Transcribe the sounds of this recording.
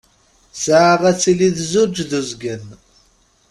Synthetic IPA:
səʕʁæt͡sːiliðzud͡ʒðuzɡən

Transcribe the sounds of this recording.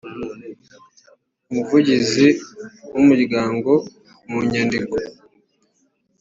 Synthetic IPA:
umuvuɟiziwumuɾɡaːŋɡo̞ | muɲandiko̥

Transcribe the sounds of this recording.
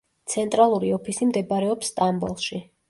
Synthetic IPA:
t̪sʰɛnt̪ʼɾalˠuɾiɔpʰisimd̪ɛbɾɛɔpsːt̪ʼambɔlˠʃi

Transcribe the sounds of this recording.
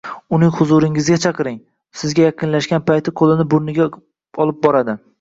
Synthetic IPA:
ʊnɪŋhʊzʊɾɪŋɪzɡʲat͡ʃʰɑqɨɾɪŋ | sɪzɡʲajaqʰɨnlaʃkʲanpʰajt̪ʰɪqʰolˠɪnɪbʊɾnɪɡʲa | ɒlˠɪp̚bɒɾad̪ɪ

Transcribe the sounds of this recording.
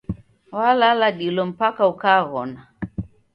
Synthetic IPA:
walalaɗilɔm̩pakaukaɣɔna

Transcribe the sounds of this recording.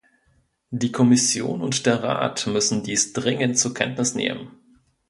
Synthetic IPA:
diːkʰɔmɪsjo̰ːnʊntd̥eːɐʁa̰ːtmʏsn̩diːsd̥ʁɪŋəntt͡suɐkʰɛ̰ntnɪsnḛːmə̰n

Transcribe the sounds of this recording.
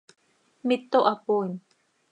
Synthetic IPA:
mɪt̪ːoʔapun

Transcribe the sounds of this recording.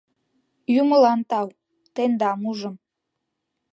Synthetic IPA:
juməlɑnt̪ɑw | t̪end̪ɑmuʒəm

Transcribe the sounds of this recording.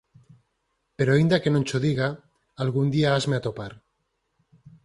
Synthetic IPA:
pe̞ɾoaind̪ake̞nont͡ʃoðiɣaː | lɣund̪iaazmeat̪o̞paɾ

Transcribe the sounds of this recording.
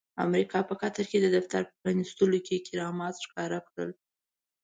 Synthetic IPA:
a̰mɾikɑpəkat̪aɾked̪əd̪aft̪aɾpə̥pɾɑnist̪əlokekɪɾɑmɑt̪ʃkɑɾakɽə̰l

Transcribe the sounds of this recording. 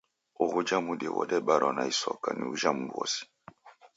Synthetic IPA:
oɣud͡ʒamudɛwɔdɛɓaɾʔɔnaisɔkaniuʒamubɔ̰si̥

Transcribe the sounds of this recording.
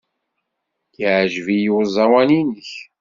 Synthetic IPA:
jəʕʒvijwəzˤɑwæninəç

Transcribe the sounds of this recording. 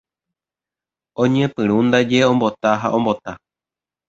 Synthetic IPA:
õɲẽ̞pɨɾũnd̪ad͡ʒeõ̞mbo̞t̪aɦa̰ʔõ̞mbo̞t̪a

